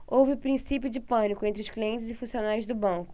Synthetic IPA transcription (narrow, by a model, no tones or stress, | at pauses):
owvɪpɾĩsipjʊd͡ʒɪpɐ̃nikʊẽnt̪ɾɪʊskliẽnt͡ʃɪzɪfũsionaɾʊzd̪ʊbɐ̃kʊ̥